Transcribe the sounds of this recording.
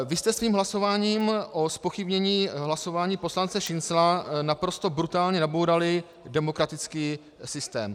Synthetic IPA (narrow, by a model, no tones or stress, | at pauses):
vɪst̪ɛsviːmɦlaso̞vaːɲiːmʔo̞spo̞xɪbɲɛɲiːɦlaso̞vaːɲiːpo̞slant͡sɛʃɪnslanapɾo̞st̪o̞bɾut̪aːlɲɛnabowɾalɪ | dɛmo̞kɾat̪ɪt͡skiː | sɪst̪ɛ̰ːm